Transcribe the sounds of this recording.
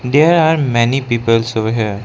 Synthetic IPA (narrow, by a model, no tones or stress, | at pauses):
d̪eɾaɾmɛnipiːpəlsoʋɦə